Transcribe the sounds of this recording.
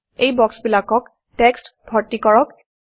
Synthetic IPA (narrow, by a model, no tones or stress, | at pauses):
ejbɔksbilakɔk | tɛkstbʱɔɹtikɔɹɔk